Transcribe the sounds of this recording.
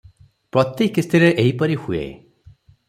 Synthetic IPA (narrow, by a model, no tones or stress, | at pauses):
pɾɔt̪jekist̪iɾeʔeɦipɔɾihuḛ